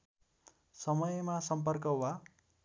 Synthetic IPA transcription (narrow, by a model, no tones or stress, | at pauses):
sʌmʌjmasʌmp̬ʌrkʌwa